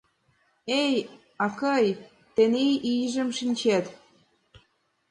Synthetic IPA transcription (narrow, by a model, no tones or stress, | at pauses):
ej | ɑkɤj | t̪enejʔiʒə̆mʃinʲt͡ɕet̪